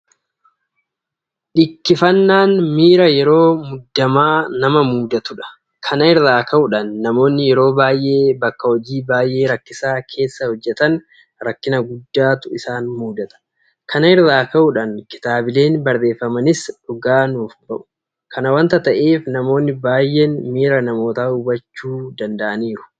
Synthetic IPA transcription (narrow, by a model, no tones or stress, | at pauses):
ᶑɪkːɪfɐnːaːnmiːɾɐjɛɾo̞ːmʊd̪ːɐmaːnɐmɐmuːd̪ɐt̪ʊᶑɐ̥ | kʰɐnɐɪɾaːkɐʔʊᶑɐnːɐmo̞ːnːɪjɛɾo̞ːbaːjʔe̞ːbɐkːɐhɔd͡ʒiːbaːjʔe̞ːɾɐkːɪsaːkʰe̞ːsːɐhɔd͡ʒːɛt̪ɐn | ɾɐkːɪnɐɡʊd̪ːaːt̪ʊɪsaːnmuːd̪ɐt̪ɐ̥ | kʰɐnɐɪɾðaːkɐʔʊᶑɐnkɪ̥t̪aːbɪle̞ːnbɐɾðe̞ːfːɐmɐnɪsᶑʊɡaːnuːfbɐʔʊ̥ | kʰɐnɐwɐnt̪ɐt̪ɐʔe̞ːfnɐmo̞ːnːɪbaːjːeːnmiːɾɐnɐmo̞ːt̪aːʊbɐt͡ʃːuːd̪ɐnd̪ɐʔɐniːɾʊ̥